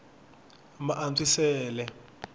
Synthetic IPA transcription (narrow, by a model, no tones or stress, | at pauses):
maʔant͡sʰʼisɛːlɛ